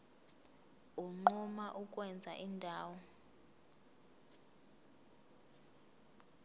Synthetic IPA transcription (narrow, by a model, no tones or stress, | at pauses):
uŋ͡ǃumaʔukʼwɛnd͡zʱa̰ʔindʱaːwɔ